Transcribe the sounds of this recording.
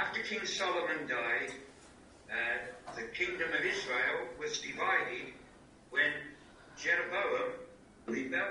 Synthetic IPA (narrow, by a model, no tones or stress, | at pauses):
æftə˞kʰɪ̃ŋsɑlˠəmɨ̃ndaɪd̪ | ðɨkʰɪ̃ŋdɨ̃mʌvɪzɹeɪlˠwʌzdɨvaɪɾɪd̚ | wɨ̃n | d͡ʒɛɹɨboʊəm | ɹibɛ